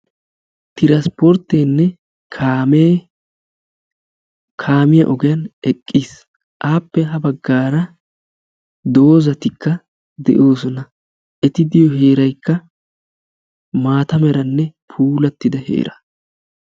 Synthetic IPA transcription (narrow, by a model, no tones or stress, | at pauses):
t̪ɪɾɐspɔɾt̪ːenːɛ | kʰaːme | kʰaːmɪjɐ̰ʔɔɡɪjɐnɛkʼːis | ʔaːpːɛɦɐbɐɡːaːɾɐ | d̪o̞ːzɐt̪ɪkːɐ | d̪ɛ̰ʔo̞ːsɔnɐ | ʔɛt̪ɪd̪ɪjɔɦe̞ːɾɐjkːɐ | maːt̪ɐmɛɾɐnːɛpʰuːlɐt̪ːɪd̪ɐhḛːɾɐ